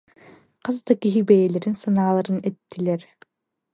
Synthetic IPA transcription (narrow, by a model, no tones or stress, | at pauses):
qɯzd̪akiɦibɛjɛlʲɛɾinsanaːlˠaɾɯnɛt̪ːilɛɾ